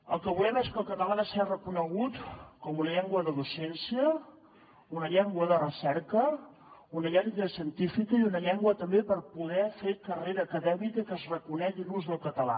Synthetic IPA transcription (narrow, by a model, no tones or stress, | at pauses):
ə̰lˠkəβulɛmeskəlˠkət̪əlanəsɛrəkunəɣ̞ut̪kɔmunəʎɛŋɡwəðəðusɛnsiə | unəʎɛŋɡwəðərəsɛɾkə | unəʎɛŋɡəsiənt̪ifikəiunəʎɛŋɡwət̪əmbepəɾpuð̞ɛfekəreɾəːkəðɛmikəkəzrəkunɛʒinuzðəlˠkət̪əla̰